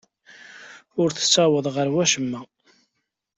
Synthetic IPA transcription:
ʊɾθə̥sːɑwəðˤʁəɾwæʃəmːæ

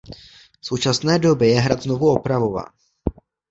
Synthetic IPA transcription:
so̞wt͡ʃasnɛːdo̞bɪjɛɦɾat̪zno̞vuopɾavo̞va̰ː

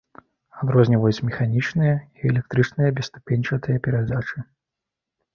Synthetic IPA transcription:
ad̪ɾɔzʲnʲivɐjut͡sʲsʲmʲɛxanʲit͡ʂnɨjɐiɛlʲɛk̚t̪ɾɨt͡ʂnɨjɐbʲɛst̪u̥pʲenʲt͡ʂɐt̪ɨjɐpʲɛɾad̪at͡ʂɨ

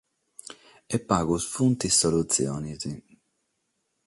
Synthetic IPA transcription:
epːaːɡusfunt̪isolut̪sjɔ̰ːnizi

